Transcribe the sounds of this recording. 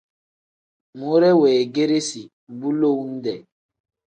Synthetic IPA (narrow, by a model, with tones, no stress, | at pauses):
mo˦ɾɛ˦wɛː˨ɡe˦ɾe˦si˨ | bu˦lo˦˨wn̩˦dɛ˨